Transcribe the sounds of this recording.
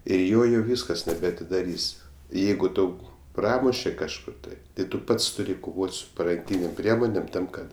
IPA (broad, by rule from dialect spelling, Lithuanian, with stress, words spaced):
ɪr ˈjoː jɛʊ ˈʋʲiːskɐs nʲɛbʲɛɐtʲɪdɐˈrʲiːsʲ ˈjɛɪɡʊ ˈtɐʊ ˈprɑːmʊʃʲɛ kɐʃˈkʊr tɐɪ tɐɪ ˈtʊ ˈpɐts tʊˈrʲɪ koːˈʋoːtʲ sʊ pɐrɐŋʲˈkʲiːnʲeːm ˈpʲrʲiɛmoːnʲeːm ˈtɐm ˈkɐt